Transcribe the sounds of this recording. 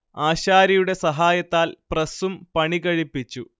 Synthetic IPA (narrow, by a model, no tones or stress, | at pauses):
aːɕaːɾɐjuɽe̞sɐɦaːjɐt̪ːaːlprɐsumpɐɳiɣɐɻipːit͡ɕːu